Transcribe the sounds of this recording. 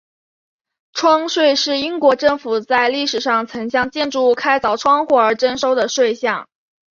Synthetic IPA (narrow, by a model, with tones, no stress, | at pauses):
ʈ͡ʂʰwɑ˥ŋʂwe˥˧ɪʂɻ̩˥˩i˥ŋkwɔ˧˥ʈ͡ʂɤ˥˩ŋfu˨˩t͡sa˥˧ɪli˥˩ʂɻ̩˨˩ʂɑ˥˩ŋt͡sʰɤ˧˥ŋɕjɑ˥˧ŋt͡ɕjɛ˥˧nʈ͡ʂu˥˧kʰa˥ɪt͡sɑ˨˩ʊʈ͡ʂʰwɑ˥ŋxwɔ˥˩ə˞˧˥ʈ͡ʂə˥nʂo˥ʊd̪ə˨ʂwe˥˧ɪɕjɑ˥˩ŋ